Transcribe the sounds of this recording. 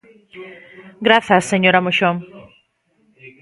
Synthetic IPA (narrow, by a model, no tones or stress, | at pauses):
ɡɾaθasːeɲoɾamoɕom